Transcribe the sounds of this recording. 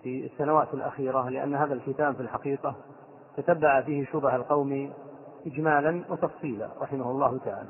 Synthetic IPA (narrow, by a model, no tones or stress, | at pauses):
fisːanawaːt̪alʔa̰xiːɾalɪʔa̰nːɦaːðalkɪt̪aːbfilħaqiːqɑ | t̪at̪abːaʕafiːhɪʃʊbahalqɑwmi | ʔɪd͡ʒmaːlanwɪt̪ɑfsˤiːla̰ɾˤɑħɪmahʊlˤːɑːhʊt̪aʕa̰ːla